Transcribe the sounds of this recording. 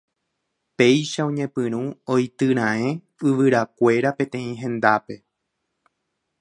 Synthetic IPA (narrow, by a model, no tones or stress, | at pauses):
pe̞jʃaõɲẽ̞pɨ̃ɾ̃ũojt̪ɨɾ̃ãẽ̞ | ɨʋɨɾakʷe̞ɾapẽ̞t̪ẽ̞ĩɦẽ̞nd̪ape̞